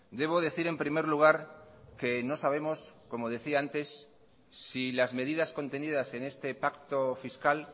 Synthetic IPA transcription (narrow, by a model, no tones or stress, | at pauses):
d̪e̞β̞o̞ðe̞θiɾe̞mpɾime̞ɾluɣ̞aɾke̞no̞saβ̞e̞mo̞sko̞mo̞ðe̞θiaant̪e̞sː | ilazme̞ð̞iðasko̞nt̪enið̞ase̞ne̞st̪e̞pakt̪o̞fiskal